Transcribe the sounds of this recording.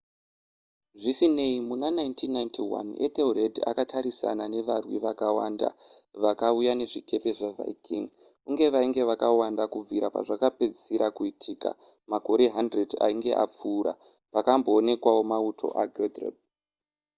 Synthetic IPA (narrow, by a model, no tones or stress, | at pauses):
ʐisine̞imunanaintʰinːajntʰiwa̰nḛt̪eureda̰katʰaɾisa̰nane̞ʋarwiʋakawa̰ːnda̰ʋakaujane̞ʐikʰe̞pe̞ʐava̰ikʰḭŋ | kuŋɡe̞ʋaiŋɡe̞ʋakawandakub͡viɾapa̰ʐakaped͡zisiɾakuitʰiːka̰ | mako̞ɾe̞ɦandreda̰iŋɡe̞̰ʔa̰p͡fuːɾa̰ | pakambo̞ːne̞kwao̞mautʰo̞̰ʔaɡʱedrḛb̚